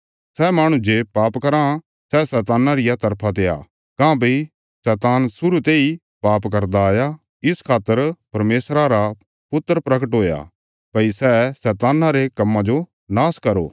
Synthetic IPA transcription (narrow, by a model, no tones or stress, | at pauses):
sɛmaːɽ̃ũd͡ʒeːpaːpkɐɾã | sɛsɛːt̪aːnaɾɪjat̪ɐɾpʰat̪̬ea̰ː | kãːbɐi | sɛːt̪aːnsʊɾut̪eːi | paːpkɐɾd̪aja | ɪskʰaːt̪əɾpɐɾmeːsɾaɾa | pʊt̪ːəɾpɾɐkəʈɦoːja̰ | pɐisɛsɛːt̪aːnaɾekɐmːãd͡ʒo | naːskɐɾo̰ː